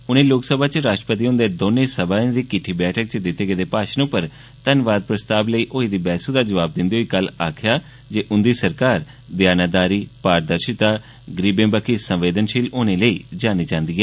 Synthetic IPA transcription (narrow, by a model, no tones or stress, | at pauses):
ʊnẽːloːksəbʱaːt͡ʃɾaːʃʈɾəpət̪iːʊ̃nd̪eːd̪oːnẽːsəbãːd̪iːkɪʈʰːiːbɛːʈʰək̚t͡ʃd̪ɪt̪ːeːɡed̪eːpaːʃnõːpəɾ | t̪ənʋaːd̪̚pɾəst̪aːbləiːʔoːid̪iːbɛːsuːd̪aːd͡ʒəʋaːb̚d̪ɪ̃nd̪iːɦoːiːkəlaːkʰjaː | d͡ʒeːʔʊnd̪iːsəɾkaːɾ | d̪jaːnaːd̪aːɾiːpaːɾd̪əɾʃɪt̪aː | ɡəɾiːbẽːbəkʰiːsə̃mʋeːd̪ənʃiːloːnẽːləiːd͡ʒaːniːt͡ʃãːnd̪iːɛː